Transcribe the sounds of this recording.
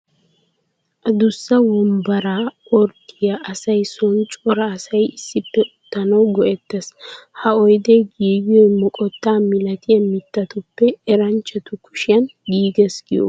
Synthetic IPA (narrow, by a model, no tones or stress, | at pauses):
ʔɐd̪ʊsːɐwɔmbɐɾaːʔɔɾt̪ːɪjɐʔɐsɐjsɔnt͡ʃʼɔɾɐːsɐjɪsːɪpːɛʔʊt̪ːɐnɐwɡɔʔɛt̪ːɐshɐɔjd̪ejɡiːɡɪjɔjmɔkʼɔt̪ːaːmɪlɐt̪ɪjɐmɪt̪ːɐt̪ʊpːɛɛɾɐnt͡ʃːɛt̪ʊkʰʊ̥ʃɪjɐnɡiːɡɛsɡ̥ɪjo̰